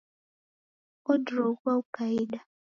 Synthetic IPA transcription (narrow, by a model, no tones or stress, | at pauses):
odɾokʷaʊkaida